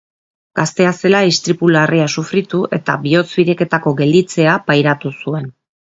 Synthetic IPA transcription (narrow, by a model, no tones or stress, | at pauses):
ɡ̥ast̪e̞ase̞laist̪ɾipulariasufɾit̪uʔe̞t̪aβio̞t͡sβiɾe̞ke̞t̪ako̞ɡe̞ld̪it͡se̞apajɾat̪usue̞n